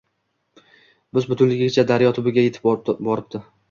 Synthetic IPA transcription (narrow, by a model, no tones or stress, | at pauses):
bɪzbʊt̪ʰʊnlɪɡʲɪɡʲɪt͡ʃʰad̪aɾjɒt̪ʰʊbɪɡʲaje̞t̪ʰɪ̥p̚bɒɾɪp̚d̪ɪ